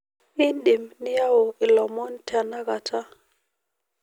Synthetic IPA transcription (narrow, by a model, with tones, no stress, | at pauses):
i˦nɗi˨mni˦ja˦wo˨i˨lɔ˨mɔ˦nta˨na˦ɡa˨tʰa˦